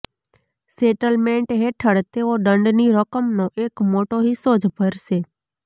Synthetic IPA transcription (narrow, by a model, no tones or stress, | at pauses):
seʈəlmẽɳʈɦeʈʰəɽt̪eoɖəɳɖniɾəkəmnoʔekmoʈoɦisːod͡ʒʱbʱəɾʃe